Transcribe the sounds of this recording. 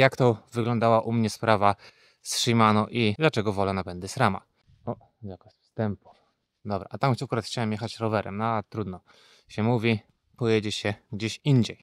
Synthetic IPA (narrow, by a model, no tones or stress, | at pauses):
jakt̪ɔvɘɡlɔ̃nd̪awaʔumɲɛspɾava | sʂɘjmanɔʔid̪lat͡ʂɛɡɔvɔlɛnapɛnd̪ɘsɾama̰ | ɔ | j̪akɔfst̪ɛmpu̥ | d̪ɔbɾa̰ʔat̪amxakuɾat̪xt͡ɕawɛmjexat͡ɕɾɔvɛɾɛmnɔat̪ɾud̪nɔ | ɕɛmuvʲi | pɔjed͡ʑɛɕɛɡd͡ʑeɕiɲd͡ʑɛj